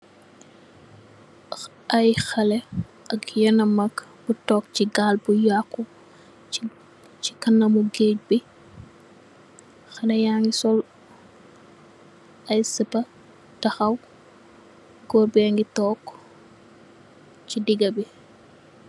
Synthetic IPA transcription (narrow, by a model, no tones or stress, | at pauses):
ɐjxɐlɛ | ʔɐkjɛnɐmɐkbutɔːk̚t͡ʃiɡaːlbujakːu | t͡ʃikɐnːɐmuɡeːc̚bi | xɐlɛjaːŋɡisɔl | ʔɐjsəpɐ | tɐxɐw | ɡɔːrbɛŋɡitɔːk | t͡ʃidiɡɐbi